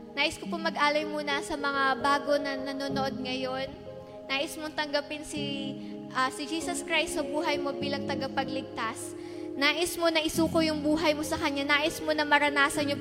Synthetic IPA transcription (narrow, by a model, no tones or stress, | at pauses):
naːʔɪskopomɐɡʔaːlɐjmuːnɐsɐmɐŋabaːɡo̞nɐnɐnonood̪̚ŋɐjo̞nː | aːʔɪsmoŋt̪ɐŋɡɐpɪnsi | ʔɐsɪd͡ʒiːsɐskɹajst̪sɐbuːɦɐjmo̞biːlɐŋt̪ɐɡɐpɐɡlɪɡ̚t̪as | naːʔɪsmo̞nɐʔɪsuːko̞jʊŋbuːɦɐjmo̞sɐkɐɲːanaːʔɪsmo̞nɐmɐɾɐnaːsɐnɲo